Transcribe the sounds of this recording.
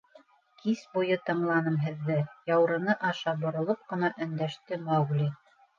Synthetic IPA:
kisbujɤt̪ɤ̆ɴlˠɑnɤmɦɘ̆ðːɘjɑwɾɤ̆nɤʔɑʃɑbŏɾŏlˠop̚qɤ̆nɑʔɵ̆nd̪æʃt̪ɘmɑwɡlʲi

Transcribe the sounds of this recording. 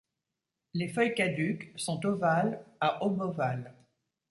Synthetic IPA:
lefœjkad̪yksɔ̃t̪ovalaʔɔbɔval

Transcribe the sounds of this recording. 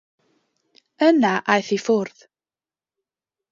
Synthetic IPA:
ənaʔajθifʊɾð

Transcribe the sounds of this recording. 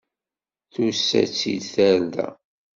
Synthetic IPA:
θusːæ̰t͡sːid̪θæɾdæ̰

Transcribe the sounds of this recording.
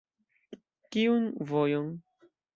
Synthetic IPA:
kiunvojon

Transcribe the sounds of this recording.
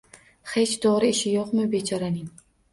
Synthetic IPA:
χet͡ʃd̪oʁɾɪɪʃɪjoqmɪbet͡ʃʰaɾanɪŋ

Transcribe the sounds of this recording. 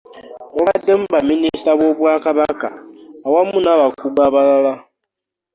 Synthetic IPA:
oβadːem̩βaministaβoβwaːkaβaka̰awamunaβakubaβalala

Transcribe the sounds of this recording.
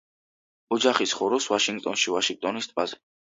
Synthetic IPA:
ɔd͡ʒaχisχɔɾɔsvaʃiŋɡ̚t̪ʼɔnʃivaʃiŋɡ̚t̪ʼɔnist̪ʼpʼazɛ

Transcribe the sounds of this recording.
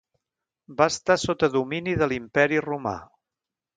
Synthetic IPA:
baəst̪asot̪əðuminiðəlimpɛɾiruma̰

